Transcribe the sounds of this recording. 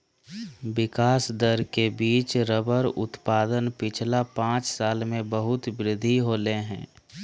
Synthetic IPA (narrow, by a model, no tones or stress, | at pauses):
ʋɪkaːsd̪əɾkebiːt͡ʃɾəbəɾʊ̰t̪paːd̪ənpɪt͡ʃʰlapãːt͡ʃsaːlmẽbəɦʊt̪bɾɪd̪ʱːiɦoːleɦɛ̰̃ː